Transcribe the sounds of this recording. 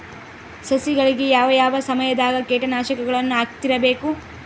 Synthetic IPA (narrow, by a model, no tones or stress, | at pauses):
sɐsiɡɐɭiɡe̞jaːʋɐjaːʋɐsɐmɐjɐd̪aːɡɐkeːʈɐnaːʃɐkɐɡɐɭɐnːuaːɡt̪iɾɐbeːku